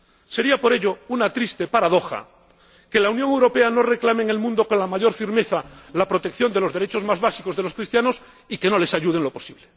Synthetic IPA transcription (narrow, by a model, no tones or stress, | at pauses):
se̞ɾiapo̞ɾe̞ʎo̞unat̪ɾist̪e̞paɾað̞o̞xa̰ | ke̞launjoŋewɾope̞ano̞re̞klameŋe̞lmũnd̪okonlamaʝo̞ɾfiɾme̞θalapɾot̪e̞kθjo̞nd̪elo̞zðeɾe̞t͡ʃo̞zmazβasikozð̞elo̞skɾist̪jano̞s | ike̞no̞le̞saʎuð̞e̞ŋlo̞po̞̥siβle